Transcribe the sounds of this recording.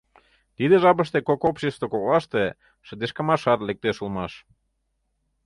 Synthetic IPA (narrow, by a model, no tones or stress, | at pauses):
t̪id̪eʒɑpə̆ʃt̪ekokopɕest̪okoɣɑʃt̪e | ʃə̆d̪eʃkɑmɑʃɑt̪lek̚t̪eʃulˠmɑʃ